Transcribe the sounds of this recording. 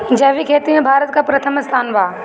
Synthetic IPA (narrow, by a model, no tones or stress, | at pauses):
d͡ʒɐɦʋikʰeːt̪imẽbʱaːɾət̪̚kapɾɐt̪ʰəmɪst̪ʰaːnʋaː